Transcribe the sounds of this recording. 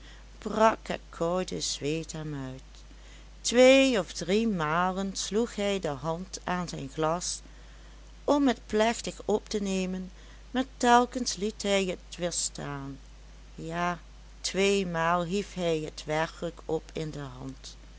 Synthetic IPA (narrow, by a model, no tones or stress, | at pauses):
b̥rɑkə̰kʰɔɹdəzʋeːtɛmœɥt | ʋeːɔfdrimaːlənsluxɦɛjdəɦɑntaːnzɛjnxlɑs | ʔɔmɦətplɛxtəxɔptənejmən | maːɹtɛlˠkənslitɦɛjətʋɪɹstʰaːn | jaː | tʋeːjmaːlˠɦifɦɛjɦətʋɛɹkələkɔpʰɪndəɦɑ̰nt